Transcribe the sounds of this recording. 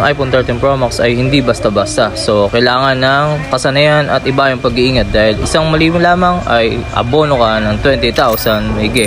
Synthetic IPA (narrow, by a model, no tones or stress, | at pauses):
ŋʔajpont̪ɐɹt̪ɪnpɹomoksɐjhɪnd̪ibɐst̪ɐbɐst̪ɐso̞kɐjlaːŋɐnːɐŋkɐsɐnɐjanɐ̰t̪̚ɪbajʊŋpɐɡiʔiːŋɐt̪̚d̪aːhɪlɪ̰saŋmɐliːmɐlaːmɐŋʔɐ̰jʔɐ̰bo̞ːnokɐnɐŋt̪wɛnt̪ɪt̪awsɐnmɐɪɡɛ